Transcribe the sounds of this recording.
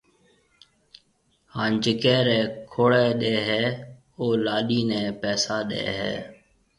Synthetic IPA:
haːnd͡ʒɪkɛ̃ːɾɛːkʰoːɽeːɗeːɦɛː | oːlaːɗiːnɛ̃ːpɛːsaːɗḛːɦɛ̰ː

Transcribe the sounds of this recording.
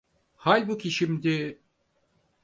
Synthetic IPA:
halʲbukʲʰiʃimd̪ɪ

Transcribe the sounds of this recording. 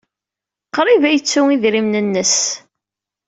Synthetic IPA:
qɾˤivæjət͡sːʊŋiðɾimnənːəs

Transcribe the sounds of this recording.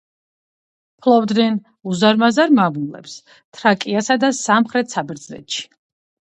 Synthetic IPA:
pʰlˠɔvd̪nɛn | uzaɾmazaɾmavulɛ̰ps | t̪ʰɾakʼiasad̪asamχɾɛt̪ʰsabɛɾd̪zlɛ̰t̪ʃi̥

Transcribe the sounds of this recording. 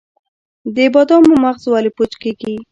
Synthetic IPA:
d̪ɪbɑd̪ɑmʊmaɣzwalipot͡ʃkeɡi

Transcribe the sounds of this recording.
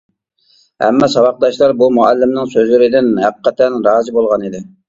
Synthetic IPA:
hɛ̰mːɑsɑwɑq̚d̪ɑʃlˠɑɾbumuɛlːɪmnɪŋsøzlɪɾɪd̪ɪnɦæqqʰːɛt̪ʰɛnɾɑːzɨbolˠʁɑnid̪ɪ

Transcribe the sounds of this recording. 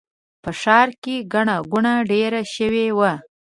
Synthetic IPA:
pəʃɑɾkeɡaɳaɡuɳaɖeɾaʃəwewa

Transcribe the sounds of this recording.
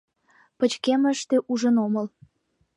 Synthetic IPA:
pə̆t͡ɕkeməʃt̪eʔuʒənoməl

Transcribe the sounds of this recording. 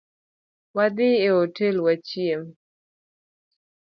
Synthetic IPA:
wad̪ɪeotelwat͡ʃiem

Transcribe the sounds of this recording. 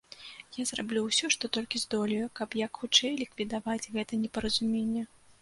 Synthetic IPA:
jazrablʲuwsʲɔʂt̪ɔt̪ɔlʲkʲizd̪ɔlʲijukɐpjɐkxut͡ʂɛjlʲikvʲid̪avad͡zʲɣɛt̪ɐnʲɛpɐɾɐzumʲenʲːɛ

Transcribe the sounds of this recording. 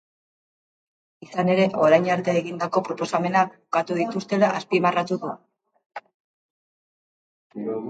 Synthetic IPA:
isane̞ɾe̞ʔo̞ɾajɲaɾt̪eːɣind̪ako̞pɾo̞po̞same̞nak̚bukat̪uðit̪ust̪e̞laʔaspimarat̪uðu

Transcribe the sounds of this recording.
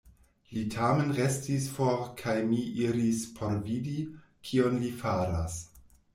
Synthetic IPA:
litʰame̞nɾestisfoɾkʰajmiʔiɾispʰoɾvidi | kʰionlifaɾas

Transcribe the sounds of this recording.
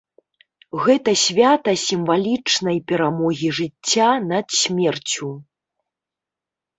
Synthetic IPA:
ɣɛt̪ɐsʲvʲat̪ɐsʲimvalʲit͡ʂnɐjpʲɛɾamɔɣʲiʐɨt͡sʲːanɐt̪sʲmʲɛrt͡sʲu

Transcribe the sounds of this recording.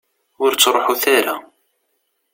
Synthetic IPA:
ʊɾt͡sːɾˤoħuθæɾa̰

